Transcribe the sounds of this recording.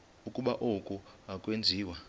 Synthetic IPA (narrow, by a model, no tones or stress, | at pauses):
ukʼuɓaʔokʼuakʼwend͡zʱiːwa